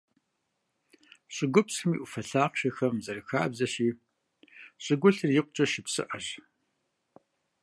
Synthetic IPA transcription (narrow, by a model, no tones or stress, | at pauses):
ɕʼɪɡʷʊpsɨmiːʔufɐɬaːqɕɐxɐmzɐɾɨxaːbzɐɕiː | ɕʼɪɡʷʊɬrjɪqʷʊt͡ʃʼɐʃɪpsɨ̰ʔɐɕ